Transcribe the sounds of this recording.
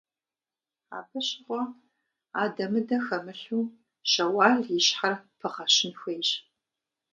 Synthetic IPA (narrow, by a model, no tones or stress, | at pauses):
a̰ːpʰɨɕɪʁʷɔ | aːdɐmɨdɐxɐmɨɬuː | ʃɐwɑːɮjɪɕħarpʰɨʁɐɕɪnxʷejɕ